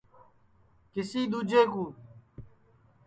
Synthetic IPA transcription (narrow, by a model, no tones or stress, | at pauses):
kɪsiːd̪uːd͡ʒeːkuː